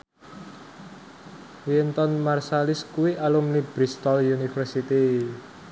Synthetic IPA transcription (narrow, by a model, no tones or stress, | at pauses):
wint̪ɔnmarsalɪskuwiʔalumnibɾist̪ɔljunifərsit̪i